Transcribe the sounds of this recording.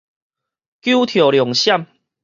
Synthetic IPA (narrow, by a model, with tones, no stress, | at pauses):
kju˦t̪ʰjo˨˩ljɔ˨˩ŋɕja˥˨m